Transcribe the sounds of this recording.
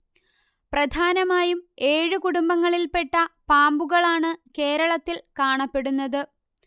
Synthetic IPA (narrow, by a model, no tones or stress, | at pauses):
prɐd̪ʱaːnɐmaːjume̞ːɻɨkuɽumbɐŋːɐɭilpe̞ʈːɐpaːmbuɣɐɭaːɳɨke̞ːɾɐɭɐt̪ːilkaːɳɐpːe̞ɽunːɐðɨ